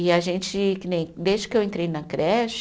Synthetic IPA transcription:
ɪɐʒẽnt͡ʃɪkɪnẽj̃d̪ezd͡ʒɪkewẽnt̪ɾejnɐkɾɛʃ

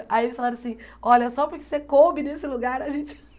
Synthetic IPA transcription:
ailisfalaɾɐsĩɔʎɐɛsɔpʊɾkɪ̥sekobɪnesɪluɡaɾɐʒẽt͡ʃɪ̥

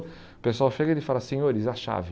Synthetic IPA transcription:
pesʊawfeɡɐɾɪfalasẽɲoɾizaʃa̰vɪ

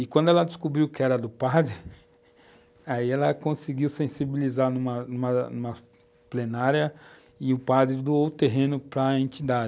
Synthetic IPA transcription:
ɪkwʷɐ̃nd̪ʊɛlɐd̪ɪskubɾiwkɪɛɾɐd̪ʊpad̪ɾɪ | aiɛlɐkõsɪɡiwsẽsibilizanũmɐnũmɐnũmɐ | plenaɾjɐ | ɪʊpad̪ɾɪd̪uot̪eɦẽnʊpɾɐẽnt͡ʃ̪id̪ad͡ʒ

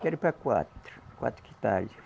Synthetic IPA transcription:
kerpækuɑ̰t̪ːkuɑ̰t̪kit̪ɑ̰lʲi

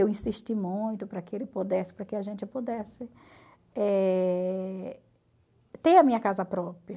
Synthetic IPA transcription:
ewĩsiʃt͡ʃimũj̃t̪ʊpɾɐkɪelɪpod̪ɛsɪ̥pɾɐkɪɐʒẽnt͡ʃɪpod̪ɛsɪ | ɛ | t̪eɐmĩɲɐkazɐpɾɔpɾiɐ

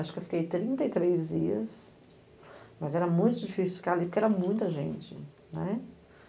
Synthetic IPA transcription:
aʃʊ̥kɪewfi̥kejt̪ɾĩnt̪ejt̪ɾejzd͡ʒiɐs | mɐzɛɾɐmũj̃t̪ʊd͡ʒifisiʊfi̥kaɾalipʊɾkɛɾɐmũj̃t̪ɐʒḛ̃nt͡ʃɪ̰ | nɛ

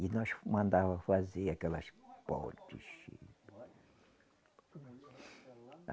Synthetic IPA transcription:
inõʃmɐ̃nd̪avɐfazeakɛlɐʃpo̰t̪ḭʃ

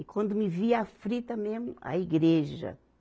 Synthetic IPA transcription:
ɪkwɐ̃nd̪ʊmɪviafɾit̪ɐmemʊa̰iɡɾeʒɐ̰

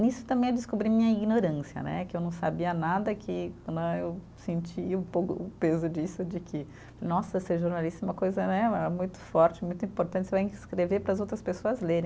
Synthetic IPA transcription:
nisʊ̥t̪ɐ̃mbẽj̃ed͡ʒɪskobɾimĩɲɐiɡnoɾɐ̃siɐ̰nɛ̰kɪewnɐ̃w̃sabiɐnad̪ɐkʰɪkɐ̃nd̪ʊ̃ew | sẽnt͡ʃiʊpokʊ̰ʊpezʊd͡ʒisʊd͡ʒɪkʰɪ | nɔsɐseʒoɾnalist̪ɐɛũmɐkojzɐnɛɛɐmũj̃t̪ʊ̥fɔɾt͡ʃɪmũj̃t̪ʊĩpoɾt̪ɐ̃t͡ʃɪsɛwẽkɪskɾeveɾpɾɐzowt̪ɾɐspesoɐzleɾẽ

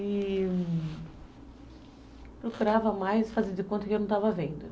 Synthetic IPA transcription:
ɪ | pɾokuɾavɐmajsfazẽɾd͡ʒ̪ɪkõnt̪ɐkɪwñw̃t̪avɐvẽnd̪ʊ

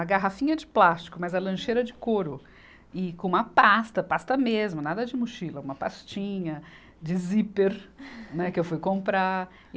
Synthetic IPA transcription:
ɐɡaɦafĩɲɐd͡ʒɪplast͡ʃɪ̥kʊmɐzɛlɐ̃ʃejɾɐd͡ʒɪkoɾʊ | ɪkõũmɐpast̪ɐpast̪ɐmezmʊnad̪ɐd͡ʒɪmuʃilɐũmɐpast͡ʃĩɲɐ | d͡ʒɪzipeɾnɛkɪewfujkõmpɾa

